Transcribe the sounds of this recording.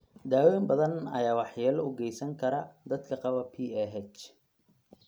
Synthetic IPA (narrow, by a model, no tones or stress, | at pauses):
d̪aːwɛjmbɐðɐnɐ̰jaːwɑħjɛːlʊɡɛjsɐŋkʰɐɾɐd̪ɐd̪kʰɐqɑβɐpʰiːɛɦɛt͡ʃ